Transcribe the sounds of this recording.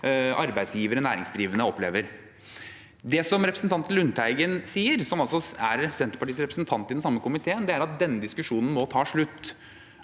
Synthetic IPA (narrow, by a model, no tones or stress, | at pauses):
ɑɾbæɪd̪sjiːʋəɾənæ̰ːɾɪŋsd̪ɾiːʋənəɔpːleːʋəɾ | d̪ɛsɔmɾɛpɾəsn̩t̪ɑnt̪lʉnt̪ʰæɪɡənsiːəɾsɔmɑlsɔæɾɛpɾəsɛnt̪əpɑʈiːsɾɛpɾəsnt̪ʰɑnt̪ːɪd̪ɛnsɑmːəkʊmɪt̪ʰeːənd̪ɛæɾɑt̪̚d̪ɛnːəd̪ɪskʉʂuːnn̩mɔt̪ʰɑːʂɭʉt̪ː